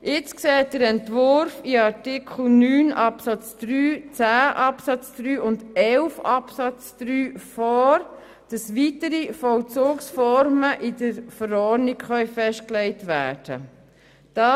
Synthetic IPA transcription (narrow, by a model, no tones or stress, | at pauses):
ɪt͡sksɛːt̚d̥əɾɛntʋʊɾfɪɑɾtɪkχl̩nyːnɑpsɑt͡sd̥ɾyːt͡sæːʔɑpsɑt͡sd̥ɾyːʔʊndɛlfɑpsɑt͡sd̪̥ɾyːfɔːɾ | d̥ɑsʋitəɾifɔlt͡soːksfɔɾməʔɪdəɾfəɾɔnikχœʏfɛʃtklɛɪtʋæːd̥ə̰ | d̥ɑ